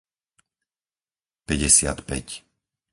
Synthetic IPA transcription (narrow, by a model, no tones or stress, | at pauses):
pɛɟɛsɪa̰t̪pɛc